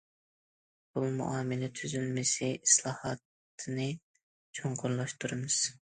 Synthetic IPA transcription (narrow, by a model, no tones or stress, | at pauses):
b̥ulˠmṵʔɑːmɨlɛt̪ʰyzylmɪsɪislˠɑːhɑt̪ʰː | ɨnɨ | t͡ʃʰoɴqʰʊɾlˠɑʃt̪ʰuɾɨmɨz̥